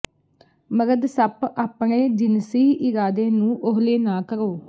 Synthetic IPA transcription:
məɡəd̪səpaːpɳeːd͡ʒɪnsiːʔɪɾaːd̪ẽːnũːʔʊɦleːnaːkəɾoː

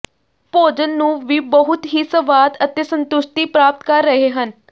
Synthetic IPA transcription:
poːd͡ʒənːũːʋiːbəɦʊt̪ɦiːsəʋaːd̪ət̪eːsənt̪ʊʃʈ̪iːpɾaːp̚t̪kəɾːəɦeːɦən

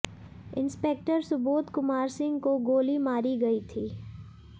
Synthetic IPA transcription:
ɪ̰̃nspeːk̚ʈəɾsʊbuːt̪kʊmaːɾsɪ̃ŋɡkoɡoːlimaːɾiɡɐit̪ʰiː

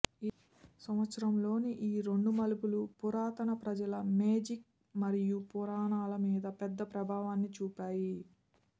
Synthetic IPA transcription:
sɐmʋɐt̪sɐɾɐmlo̞ːniʔiːɾeɳɖumɐlupulupuɾaːt̪ɐnɐpɾɐd͡ʒɐlɐmeːd͡ʒik̚ | mɐɾijupuɾaːɳaːlɐmiːd̪ɐpɛd̪ːɐpɾɐbʱaːʋaːnːit͡ʃuːpaːji

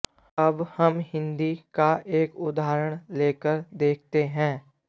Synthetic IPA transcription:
əbhəmɦɪ̃nd̪ikaʔeːkʊd̪aːɾəɽ̃leːkəɾd̪eːk̚ʰt̪eɦɛ̃ː

